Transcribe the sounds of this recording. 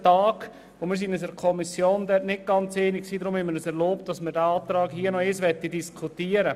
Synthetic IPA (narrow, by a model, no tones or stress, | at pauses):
tɑːɡ | ʋomɪɾs̬inəs̬əɾkʰɔmisjoːndɛtnɪt̚ɡ̥ɑnt͡seːniksiːdɾʊmhɛməɾəsɛɾloːpt̚d̥ɑsmɪɾdæɑːt̪ɾɑːɡɦiːənɔesʋɛt̪ːidiskʰutiːəɾə